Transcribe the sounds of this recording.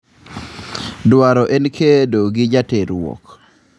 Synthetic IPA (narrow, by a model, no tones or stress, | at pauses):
dwaɾɔʔenkʰedoɡɪd͡ʒateɾwɔ̰k